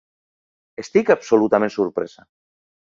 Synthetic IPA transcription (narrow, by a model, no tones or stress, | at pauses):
est̪ikapsolut̪amẽnsuɾpɾɛ̰za